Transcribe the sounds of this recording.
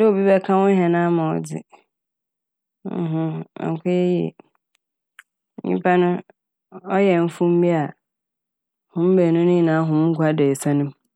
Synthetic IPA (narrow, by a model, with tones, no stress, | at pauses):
dɪ˦o˨bi˦bɛ˦kʰã˦wʊ̃˦ɦɛ̃˨nã˦mã˨ɔ̰˨d͡zɪ̰˨˦ | ɦʊ̰̃˦˨ŋ˨kʰa˦jɛ˦ji˦ɛ̰˨˦ | ɲḭ̃˦pʰa˦nʊ̃˦ | ɔ˦jɛ˨m̩˦fũ˦m̩˦bĩ˦a˨ | hʊ̃˦m̩˦bɛ˨nʊ̃˦nɪ̃˦˨nãː˨˦ɦʊ̃˨m̩ː˦kʰʷa˦dɛ˨ɛ˨sa˦nʊ̃˦m